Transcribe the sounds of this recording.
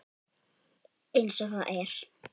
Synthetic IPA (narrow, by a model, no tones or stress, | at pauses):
ejnsɔxaʔɛɾ̥